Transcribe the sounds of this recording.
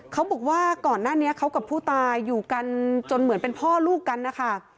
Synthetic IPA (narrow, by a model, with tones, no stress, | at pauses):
kʰa˦˥wbɔː˨˩k̚waː˥˩kɔː˨˩nːaː˥˩ni˦˥ɐkʰa˦˥wka˨˩pʰːuː˥˩t̪aː˧jːuː˨˩ka˧nt͡ɕo˧nmɯ˩˦npe˧npʰɔː˥˩luː˥˩kːa˧nːa˦˥kʰa˥˩